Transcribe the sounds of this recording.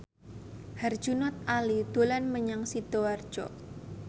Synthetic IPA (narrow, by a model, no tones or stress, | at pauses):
har̥d͡ʒ̥unɔt̪̚alid̪̥o̤lanməɲaŋsid̪̥oard̥ʒ̥ɔ